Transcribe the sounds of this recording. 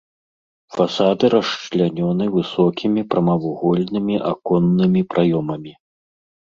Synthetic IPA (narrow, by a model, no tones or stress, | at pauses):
fasad̪ɨɾɐʂt͡ʂlʲanʲɔnɨvɨsɔkʲimʲipɾɐmɐvuɣɔlʲnɨmʲiʔa̰kɔnːɨmʲipɾʔajɔmɐmʲi